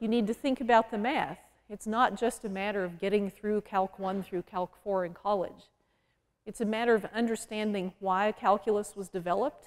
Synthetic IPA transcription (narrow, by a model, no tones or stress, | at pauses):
jɨnid̚tɨθɪ̃ŋkɨbaʊt̪̚ðɨmæθ | ɨtsnət̚d̥ʒ̥ʌstɨmæɾə˞ʌvɡɛɾɪ̃ŋθɹʉkʰælˠkʰwʌ̃nθɹʉkʰælˠkfɔɹɨ̃nkʰɑlˠɪ̰d͡ʒ | ɨtsɨmæɾə˞ʌvʌ̃ndə˞stæ̃ndɪ̃ŋwaɪɨkʰælˠkʰjl̩ˠəswʌzdɨvɛlˠəp̚t